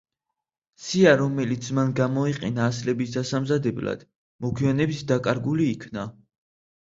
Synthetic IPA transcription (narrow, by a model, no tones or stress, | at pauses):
siaɾɔmɛlit̪sʰmanɡamɔiqʼɛnaːslɛbisd̪asamzad̪ɛbla̰d̪̥ | mɔɡʰwianɛbisd̪akʼaɾɡuliːkʰna